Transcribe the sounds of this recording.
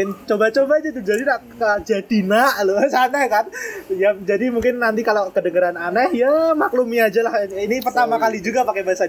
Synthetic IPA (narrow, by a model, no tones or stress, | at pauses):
ɪnt͡ʃobat͡ʃobad͡ʒait̪̬ud͡ʒadinaʔkəd͡ʒadinaʔlosanakanjaŋd͡ʒadimuŋkɪnːant̪̬ikalokədəŋəɾananɛhjamaklumiad͡ʒalahinipərt̪amakalid͡ʒuɡapakebaɦasa